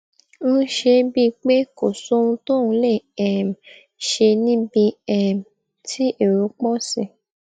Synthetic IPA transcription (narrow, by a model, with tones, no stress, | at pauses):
ñ̩˦ʃe˧bi˦˧k͡pe˦ko˨so˦ũ˧to˦ũ˧le˦˨ɛ˨m̩˨ | ʃe˧nĩ˦bi˧ɛ˨m˨ | tʰi˦e˦˨ɾo˨˦k͡pɔ˦sĩ˦˨